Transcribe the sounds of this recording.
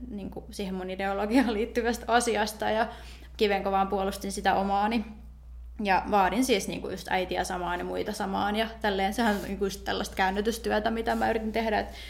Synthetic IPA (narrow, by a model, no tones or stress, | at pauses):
niːŋkusiːhemunideoloɡiɑːliːt̪ːyʋæst̪ɑsiɑst̪ɑjɑ | kiʋeŋkoʋɑːmpuolust̪insit̪æʔomɑːni | jɑʋɑːɾinsiːsnḭːŋkujust̪æ̰it̪iæ̰sɑmɑːnimuit̪ɑsɑmɑːnjɑt̪ælːeːnsehænnḭːŋkujust̪tḛlːɑst̪kæynːet̪yst̪yæt̪æmit̪æmæyrit̪int̪ehdæet̪